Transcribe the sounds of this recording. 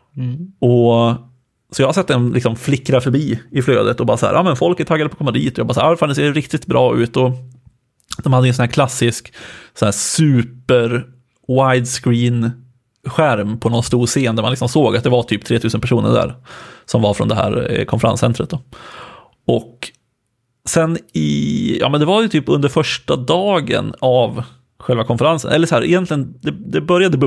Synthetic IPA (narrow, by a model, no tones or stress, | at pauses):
ɔ | sɔjɑːhaɾsɛt̪ːɛnlɪksɔmflɪkːɾafœɾbiːɪfløːd̪ət̪ɔbɑːɾasahæ̰ɾʔɑ̰ːmɛnfɔlkət̪ʰːaɡːad̪əpɔkʰɔmːad̪iːt̪ɔjɑɡbɑːsːɾɾfalɛseːɖɛɾɪkt̪ɪt̪bɾɑːʉ̟ːt̪ɔ | d̪̥ɔmhad̪ːəɛnsɔnhæːɾkʰlasːɪsksɔnæːsʉ̟ːpəɾ | wajd̪skɾiːn | ɧæɾmpʰɔnɔnst̪uːɾseːnd̪æɾmanlɪksɔmsoːɡat̪̚d̪ɛvaʈ̪ʰyːp̚t̪ʰɾeːt̪ʰʉːsənpʰæʂuːnə̰ɖæ̰ɾsɔmvaɾfɾɔ̰nd̪ɛɦæ̰ːɾkʰɔnfəɾa̰nsɛnt̪ɾət̪̚d̪ɔ | ʔɔk | sɛnɪjɑ̰ːmɛnd̪ɛvaɾjɵt̪ʰyːpɵnd̪əɾfœʂʈad̪ɑːɡə̰nav | ɧɛlvakʰɔnfəɾansə̰nʔɛ̰lːəʂɔɦæːɾʔɪ̰jɛnt̪lɪɡənd̪ɛd̪ɛbœɾjad̪ə